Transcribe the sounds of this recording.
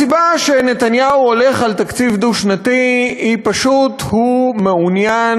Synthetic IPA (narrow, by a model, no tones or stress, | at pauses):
sibaʃe̞ne̞t̪anjauole̞χalt̪akt͡sivd̪uʃnatihipaʃuthumeunja